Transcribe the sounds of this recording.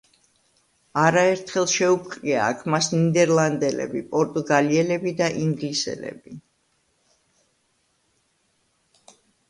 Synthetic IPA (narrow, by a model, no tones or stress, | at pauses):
aɾaɛɾt̪ʰχɛlˠʃɛup̚ʰqʼɾia̰ːkʰmasnid̪ɛɾlˠand̪ɛlɛ̰bipʼɔɾt̪ʼuɡaliɛlɛbid̪aʔiŋɡlisɛ̰lɛ̰b̥i